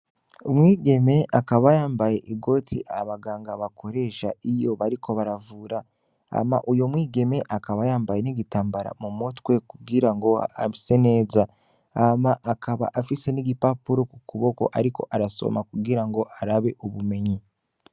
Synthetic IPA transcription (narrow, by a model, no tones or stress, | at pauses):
omwiːɡe̞me̞ʔakaβajaːmbaje̞ʔiɡo̞tḭʔaβaɡaːŋɡaβakʰo̞ɾe̞ʃa̰ʔijo̞βaɾikʰo̞βaɾavuːɾa | a̰ma̰ʔujo̞mwiːɡe̞me̞ʔakaβajaːmbaje̞niɟitaːmbaɾa̰mumotkwe̞kuɡiɾaŋɡo̞a̰βise̞ne̞ːza | amaʔakaβa̰ʔafise̞niɟipapuɾo̞kukuβo̞ko̞̰ʔaɾiko̞̰ʔaɾaso̰makuɡiɾaŋɡo̞ʔaɾaβe̞ʔuβume̞ɲi